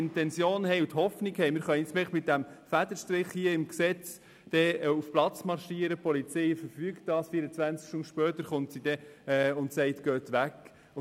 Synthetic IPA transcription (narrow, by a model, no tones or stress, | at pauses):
ɪntɛnsjoːnhɛɪut̪hɔfnikhɛɪmɪːɾχœnsmɛχmɪt̚d̥æmfæd̥əʃtɾɪχhiəɪmksɛt͡s | d̥ɛufplɑt͡smɑrʃiəɾəpʰɔlit͡sɛɪfəɾfyːkt̚d̥ɑːsfiəɾət͡sʋænt͡skʃtʊndʃpœːtəɾχʊntsid̥ɛʊntsɛɪtɡ̥œːt̪ʋæk